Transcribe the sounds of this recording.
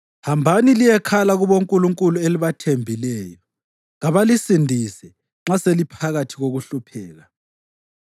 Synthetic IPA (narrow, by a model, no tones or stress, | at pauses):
hambʱanilijɛkʰalaɣuβoŋkʼuluŋkʼulueliβatʰembʱilɛːjɔ | ɣaβalisindʱisɛ | ŋ͡ǁaselipʰaɣatʰiɣoɣuɬupʰɛːɣa